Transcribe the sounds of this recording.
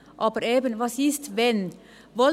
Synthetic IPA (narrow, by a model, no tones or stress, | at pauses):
ʔɑːbəɾeːbənʋɑsist̪ʋɛn | ʋɔ